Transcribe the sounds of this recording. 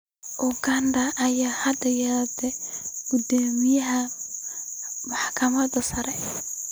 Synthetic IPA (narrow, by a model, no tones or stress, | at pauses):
ʔʊɡɐndɐʔɐjaːhɐd̪ɐjɐd̪ɛɡ̥ud̪aːmɪjɐɦɐ | mɑħkʰɐmɐd̪ɐsɐɾɛ